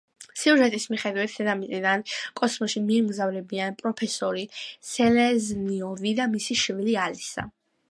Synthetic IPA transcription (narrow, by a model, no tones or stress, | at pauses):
siuʒɛt̪ʼismiχɛd̪wit̪ʰd̪ɛd̪amiid̪ankʼɔsmɔʃimiɛmɡzavlɛbianpʼɾɔpʰɛsɔɾisɛlɛzniɔvid̪amisiʃvilialisa̰